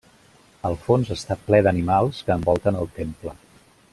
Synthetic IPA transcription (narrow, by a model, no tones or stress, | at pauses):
əlˠfonzəst̪aplɛðənimalˠskəːmbɔlˠt̪ənəlˠt̪emplə